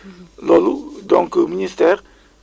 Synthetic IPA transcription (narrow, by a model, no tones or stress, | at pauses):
lɔlud̪ɔ̃kəminist̪ɛːʁ